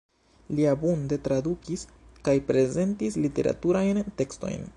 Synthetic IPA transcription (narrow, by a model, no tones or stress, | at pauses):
liabunde̞tɾadukis | kajpɾe̞ze̞ntislite̞̰ɾa̰tuɾajnte̞ksto̞̰jn